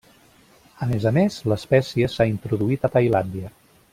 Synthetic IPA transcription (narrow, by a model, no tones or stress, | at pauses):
əmezəmezləspɛsiəsaint̪ɾuðuit̪ət̪əjland̪iə